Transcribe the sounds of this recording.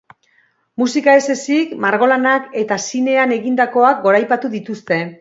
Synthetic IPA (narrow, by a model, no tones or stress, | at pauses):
musikae̞se̞sikmaɾɣ̞o̞lanake̞t̪asine̞ane̞ɣind̪ako̞ak̚ɡo̞ɾajpat̪uðit̪ust̪e̞